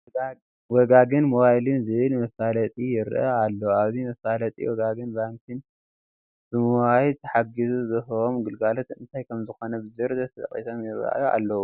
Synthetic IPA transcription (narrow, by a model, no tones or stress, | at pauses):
wɔɡaɡɨnmoβajlɨnzɨβɨlmɐsalɐt̪ʼijɪɾʔɐ̰alːowaβzimɐsalɐt̪ʼḭwɔɡaɡɨnbaŋkʰɨn | b̥ɨmuwajt̪ʰɐħaɡɨzuzɨɦomɡɨlɡalot̪ɨ̰nt̪ʰajkʰɐmzɨxo̞nɐbɨzɨɾd̪ɐt̪ʰɐt̪ʼɐ̰χʼḭsomjɪɾa̰ua̰lːɐwu